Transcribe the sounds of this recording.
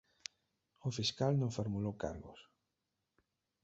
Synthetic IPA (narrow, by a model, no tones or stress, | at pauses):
ʊfiskalnõŋfoɾmulowka̰ɾɣʊ̰s